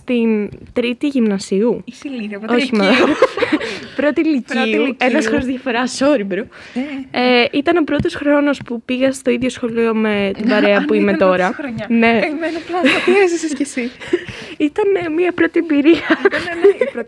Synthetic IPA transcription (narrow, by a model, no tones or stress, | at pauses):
st̪int̪ɾit̪iʝimnɐsiu | o̞çimɐ | pɾo̞t̪iliciuenɐsxoɾozðʝɐfo̞ɾɐso̞ɾibɾo | eit̪ɐno̞pɾo̞t̪o̞sxɾo̞no̞spupiɣɐst̪o̞iðʝosxo̞lio̞me̞t̪ibɐɾe̞ɐpuimet̪o̞ɾɐɾne̞nsssesi | it̪ɐnemiɐpɾo̞t̪ibiɾiɐ